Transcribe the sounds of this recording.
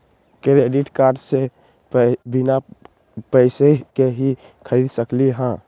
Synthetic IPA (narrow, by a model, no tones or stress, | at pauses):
kɾeɖiʈkaːɾɖse | bɪna | pɛɪsekeɦi | kʰəɾiːd̪səkliɦã